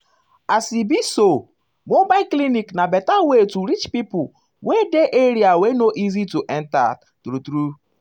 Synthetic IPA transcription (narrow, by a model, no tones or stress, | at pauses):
asibiso | mobakliniknabɛtawetuɾit͡ʃpipʊ | wedeʔeɾiawenoʔizituʔɛn̩ta̰ | tuɾutɾu